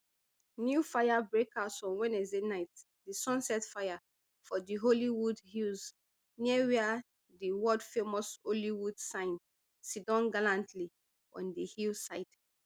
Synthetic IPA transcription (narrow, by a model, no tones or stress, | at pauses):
njufajabɹekasɔ̃wɛ̃nɛzenaɪt | disɔ̃nsɛtfaja | fɔdiɦoliwudhilz | niɛwɛa | diwɔdfemɔsoliwudsãɪ̃n | sidɔ̃nɡalãntʰli | ɔ̰̃ndihilsaɪt